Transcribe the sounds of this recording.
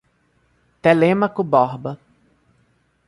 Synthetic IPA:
t̪elemɐkʊbɔhbɐ

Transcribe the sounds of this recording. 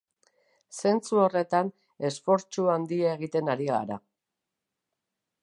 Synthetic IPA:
se̞nt͡suo̞re̞t̪an | e̞sfo̞ɾt͡ʃuand̪iaeɣ̞it̪e̞naɾiɣa̰ɾa̰

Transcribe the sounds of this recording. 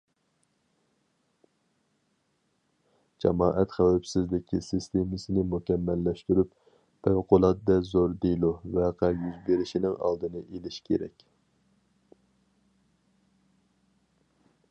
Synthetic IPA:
d͡ʒɑmɑːʔɛt̪χæwæpsɪzlɪkʲʰːisɪst̪emɨsɪnɪmukʲɛmːɛlːɛʃt̪yɾyp | pʰæwqʰʊlˠɑt̪d̪ɛzoɾd̪elˠovɛqʰæjyzbeɾɪʃinɪŋɑ̰lˠd̪ɨnɨʔelɪʃkʲʰḛɾɛ̰kʲ

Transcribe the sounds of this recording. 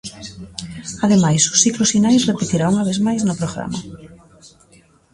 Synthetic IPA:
aðemajsʊ̥sθiklʊsfinajsrepet̪iɾauŋaβ̞ezmajznʊpɾoɣɾa̰ma̰

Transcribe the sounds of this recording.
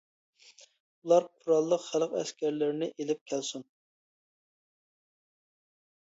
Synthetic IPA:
ulˠɑɾqʰuɾɑlˠːəqχælˠqɛskʲæɾlɪɾnɪʔelɪp̚kʲʰælsun

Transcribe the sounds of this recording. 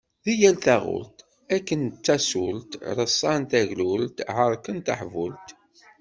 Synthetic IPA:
ðijælθaʁʊ̰lt̪ | ækːənt͡s̪ːæsult̪ɾəsˤːɑnt̪æʝlult̪ʕəɾˤkənt̪ə̰ħvult̪

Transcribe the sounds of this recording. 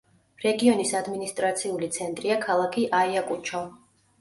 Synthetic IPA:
ɾɛɡiɔnisad̪minist̪ʼɾat̪sʰiulit̪sʰɛnt̪ʼɾiakʰalˠakʰiʔaiakʼut͡ʃʰɔ

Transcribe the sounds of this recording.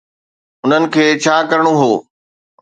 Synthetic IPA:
ʊn̤ənɪ̆kʰeːt͡ɕʰaːkɐɾəɽ̃oɦoː

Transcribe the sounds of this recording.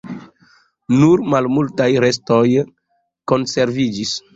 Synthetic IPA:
nuɾmalmultajɾes̬to̞j | ko̞nse̞ɾvid͡ʒis

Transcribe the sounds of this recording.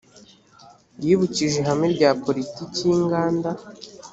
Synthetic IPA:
jiːβuciʒe̞ɦamŋeɾɟaːpo̞ɾitiːciŋɡaːnda

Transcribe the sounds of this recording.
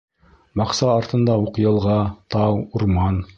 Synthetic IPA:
bɑqsɑːɾt̪ɤ̆nd̪ɑuqjɤ̆lˠʁɑt̪ɑwuɾmɑn

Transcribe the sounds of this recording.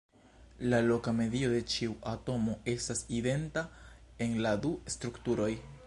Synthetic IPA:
lalo̞kame̞dio̞d̪e̞t͡ʃiuʔato̞mo̞e̞staside̞ntae̞nladuestɾuktuɾo̞j

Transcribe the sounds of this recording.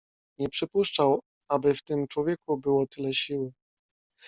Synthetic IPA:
ɲɛpʂɘpuʂt͡ʂaw | abɘft̪ɘmt͡ʂwɔvʲjɛkubɘwɔt̪ɘlɛɕiwɘ

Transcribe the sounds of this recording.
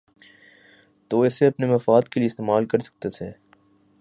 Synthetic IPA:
t̪oːɛːseɐpnemɐfaːd̪kelieɪst̪eːmaːlkɐɾsɐ̥k̚t̪et̪ʰeː

